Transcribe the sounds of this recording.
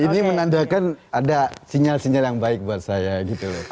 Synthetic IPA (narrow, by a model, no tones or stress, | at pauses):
inimənandakanadasiɲalsiɲaljaŋbaɪk̚buat̪̚sajaɡit̪ulʊ